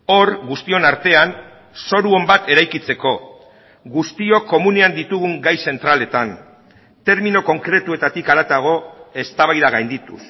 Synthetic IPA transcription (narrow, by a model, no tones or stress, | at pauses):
o̞ɾɣust̪io̞naɾt̪e̞an | so̞ɾuo̞mbat̪e̞ɾajkit͡se̞ko̞ | ɡust̪io̞ko̞mune̞and̪it̪uɣuŋɡajse̞nt̪ɾale̞t̪an | t̪e̞ɾminoko̞ŋkɾe̞t̪ue̞t̪at̪ikaɾat̪aɣ̞o̞e̞st̪aβajðaɣ̞ajnd̪it̪ṵs